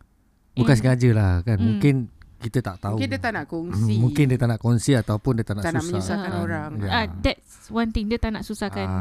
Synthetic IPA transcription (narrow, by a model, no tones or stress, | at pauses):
bukansəŋad͡ʒəlahkanmũŋkɪnkit̪ət̪aʔt̪auindət̪anakɔŋsimũŋkɪndiət̪anaʔkɔnsiat̪awpʊndiət̪anauauaauɾaŋjaadɛtswant̪ɪŋdət̪anaʔsusakan